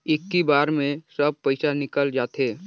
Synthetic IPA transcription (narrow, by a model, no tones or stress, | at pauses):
ɪkːibaːɾmẽsəb̚pəɪsanɪkəld͡ʒaːt̪eː